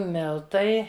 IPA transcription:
ˈmʲɪlˠtɐɪ

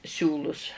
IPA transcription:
ˈsʲuːlˠʊs

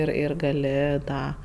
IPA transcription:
ˈɪr ɪr ɡɐˈlʲɪ ˈtɑː

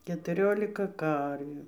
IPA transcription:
kʲɛtʊˈrʲoːlʲɪkɐ ˈkɐrʲʋʲuː

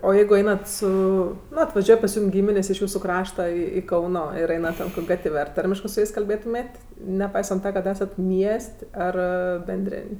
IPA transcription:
oː ˈjɛɪɡʊ ˈɛɪnɐt ˈsʊ ˈnʊ ɐtʋɐˈʒʲuɔj pɐs ˈjuːm ˈɡʲiːmʲɪnʲeːsʲ ɪʃ ˈjuːsʊ ˈkrɑːʃtɐ ɪ ˈkɐʊnoː ˈɪr ˈɛɪnɐ ˈtʲɛn koːkʲ ˈɡɐtʲʋʲ ɐr ˈtɐrʲmʲɪʃkɜ sʊ ˈjɛɪs kɐlʲˈbʲeːtʊmʲeːtʲ nʲɛˈpɐɪsɐnt ˈtɐ kɐt ˈæːsɐt ˈmʲiɛsʲtʲ ˈɐr bʲɛnʲˈdʲrʲeːnʲ

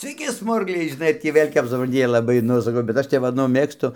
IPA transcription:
sʲʋʲɛɪˈkʲɪ ˈsmʊrɡlʲɛɪ ʒʲɪˈnɐɪ ɐr ˈtʲiː ˈʋʲeːlʲ kɐp sʊˈprɐn ˈjiɛ lˠɐˈbɐɪ nʊ sɐˈkɐʊ bʲɛt ˈɐʃ tʲɛp ˈʋɐ nʊ ˈmʲeːkstʊ

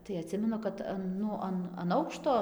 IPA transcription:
tɐɪ ɐˈtʲsʲɪmʲɛnʊ kɐt ˈɐn ˈnʊ ɐn ɐn ˈɐʊkʃtoː

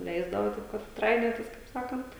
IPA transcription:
ˈlʲɛɪzdɐʋoː ˈtɐɪp kɐt ˈtrɐɪnʲoːtʲɪs kɐɪp ˈsɑːkɐnt

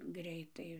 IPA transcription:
ˈɡrʲɛɪtɐɪ

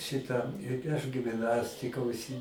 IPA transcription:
ˈʃʲɪtɐ ɪ ɐʃ ɡʲɪmʲˈnɑːsʲtʲɪkɐ ʊʃʲˈsʲɪ

